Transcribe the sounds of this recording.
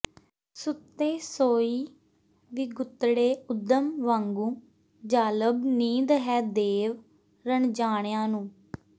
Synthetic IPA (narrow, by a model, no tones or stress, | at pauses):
sʊt̪ːeːsoːiː | ʋiːɡʊt̪ːɽeːʊd̪ːəmʋãːŋɡũː | d͡ʒaːləbniːd̪ɦɛːd̪eːʋ | ɾəɳd͡ʒaːɳjãːnũː